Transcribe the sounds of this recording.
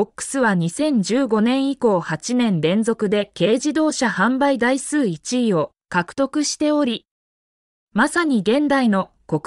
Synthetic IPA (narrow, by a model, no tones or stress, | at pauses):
okːɯ̟̥sɨβaɲ̟isẽ̞ɲ̟d͡ʑɨːɡo̞nẽ̞ɰ̃iko̞ːhat͡ɕinẽ̞nɾẽ̞nzo̞kɯ̟d̪e̞ke̞ːʑid̪o̞ːɕahãmbaid̪aisɨːit͡ɕiːo̞ | kakɯ̟̥t̪o̞kɯ̟ɕi̥t̪e̞o̞ɾʲi | masaɲ̟iɡẽ̞nd̪aino̞ | ko̞k